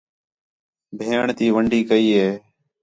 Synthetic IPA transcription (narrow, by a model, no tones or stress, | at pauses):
bʱeːɳt̪iːʋəɳɖʱiːkəiːɦeː